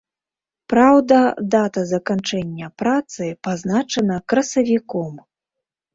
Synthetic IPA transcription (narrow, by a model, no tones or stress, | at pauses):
pɾawd̪ɐd̪at̪ɐzɐkant͡ʂɛnʲːɐpɾat̪sɨpaznat͡ʂɐnɐkɾɐsɐvʲikɔm